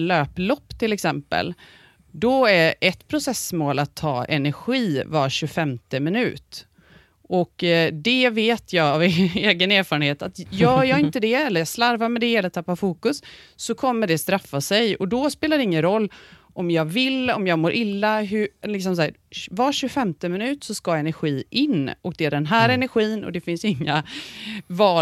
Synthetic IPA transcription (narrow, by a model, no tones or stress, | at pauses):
løːplɔpːt̪ʰɪlɛksɛmpə̰l | d̪ɔæɾɛt̪pʰɾʊsɛsmoːlat̪ʰːɑ̰ːɛ̰næɾɧiːvaɕɵfɛmt̪əmɪnʉ̟ːt̪ | ʔɔkd̪ɛveːt̪ʰjɑːɡaveːɡəneːɾfɑːɾənheːt̪at̪jœːjɑːɪnt̪əd̪ɛɛlːəɾjɑslaɾvaɾmɛd̪ɛeɛlət̪ʰːapːafuːkɵsːɔkʰɔmːəɖɛst̪ɾafːasɛjɔd̪ɔspeːlad̪ɛɪŋːənɾɔlː | ʔɔmjɑːvɪlːɔmjɑːɡmoːɾʔɪlːaɦɵlɪks̬ɔms̬aːɾvɑɕɵfɛmt̪əmɪnʉ̟ːt̪sɔskɑːaɛnæɾɧiːʔɪnːɔk̚d̪ɛæɖɛnɦæːɾɛnæɾɧiːnɔ̰d̪ɛfɪnsɪŋːa | vɑː